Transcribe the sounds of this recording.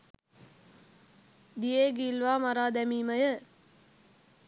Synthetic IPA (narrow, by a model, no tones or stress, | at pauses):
d̪ijeːɡiːlʋaːmaɾaːd̪æmiːməjə